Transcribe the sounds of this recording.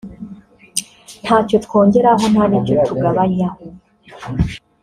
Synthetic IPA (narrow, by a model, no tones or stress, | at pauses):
n̥haːco̞tko̞ːɲɟe̞ɾaɦo̞naniɟo̞tʰuɡaβaɲaho